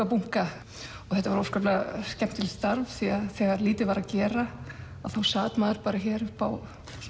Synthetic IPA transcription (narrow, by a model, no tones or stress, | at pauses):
apuŋ̥ka | ɔθɛht̪ːavaɾowskœplascɛm̥t̪ʰːɪlst̪aɾvθiaðθɛːɣaɾliːt̪ɪvaːɾacɛːɾaaðθawsaːt̪maːðʏɾpaːɾaçɛːɾʏhpaw